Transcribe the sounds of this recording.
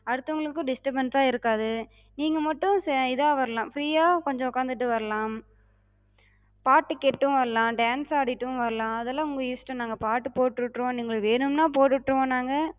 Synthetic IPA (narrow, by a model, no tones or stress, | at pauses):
ɐɽɯt̪ːɐʋŋɡɐɭɯkːɯ̃ɖɪsʈɐbɐnsaːɪɾɯkːaːðɯ | niːŋɡɐmɐʈːʊ̃sɛɪðaːʋɐɾɐlãːmfɾiːjaːkɔɲd͡ʒɔ̃ʊkːaːnd̪ɯʈːɯʋɐɾɐlaːm | paːʈːɯkːɛʈːʊ̃ʋɐɾɐlãːɖaːnsaːɽɪʈːɯ̃ʋɐɾɐlãːɐðɐlːãːʊŋɡɐiːsʈɐ̃naːŋɡɐpaːʈːɯpoːʈːɾɯʈːɾõːniːŋɡɐɭʋeːnɯmnaːpoːʈːɯʈːɾɯʋõːnaːŋɡɐ